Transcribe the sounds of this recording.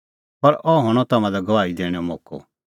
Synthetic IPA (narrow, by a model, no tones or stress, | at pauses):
pɐɾɔɦɔɽ̃ɔt̪ɐmãd̪aɡɐʋaːid̪eːɽ̃ɛomoːkɔ̰